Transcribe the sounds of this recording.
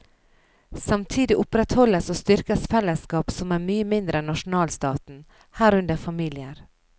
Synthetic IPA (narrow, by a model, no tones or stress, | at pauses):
sɑmt̪ʰiːd̪ɪʔʊpɾɛt̪hɔləsoːst̪ʏɾkəsfɛlːəskɑːpsɔmæːmyːəmɪnd̪ɾəɛnːɑʂʊn̩ɑːlst̪ɑːt̪n̩ | hæːɾʉnd̪əfɑmiːlɪəɾ